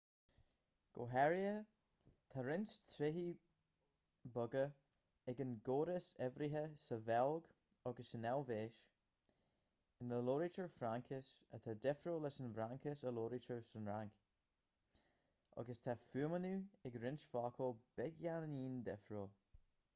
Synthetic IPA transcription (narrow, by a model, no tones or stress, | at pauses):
ɡ̥o̰ːɦɛɹiə | t̪ʰaɾɪnʃt̪ʰɾɪɦi | bʊɡə | ɛɡənɡoːɾəsɛvɾiɦəsəvɛlˠɡ | ɔɡəsənɛlveːʃ | ɪnləloːɾit͡ʃəɹfɾaŋkʰɪsət̪ʰad̪ɛfɾoːlɛsənvɾaŋkɪsəloːɾit͡ʃəɹsənɹaŋk | ɔ̰ɡəst̪ʰafuːəmənuɪɡɾɪnʃfɑːkʰob̥ɛɡjanəniːnd̪ɛfɾoː